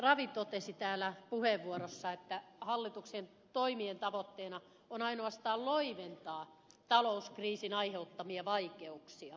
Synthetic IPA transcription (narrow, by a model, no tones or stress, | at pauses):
rɑʋit̪ot̪esit̪æːlːˑæpuheʋʋuoɾosːɑet̪ːæhɑlːit̪uksien | t̪oimient̪ɑʋot̪ːeːnɑ | onɑinoɑst̪ɑːlloiʋent̪ɑː | t̪ɑlouskriːsinɑiheut̪ːɑmiɑʋɑikeuksiɑ